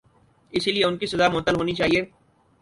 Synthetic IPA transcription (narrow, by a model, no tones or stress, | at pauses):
ɪsilieʊnkisɐzamʊːt̪ːəlɦoːnit͡ʃaːɦieː